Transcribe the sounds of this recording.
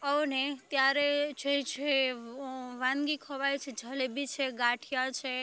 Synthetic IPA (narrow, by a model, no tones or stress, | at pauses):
əʋnet̪jaɾed͡ʒet͡ʃʰe | ʋãnɡikʰəʋajt͡ʃʰed͡ʒʱəlbit͡ʃʰeɡaʈʰijat͡ʃʰe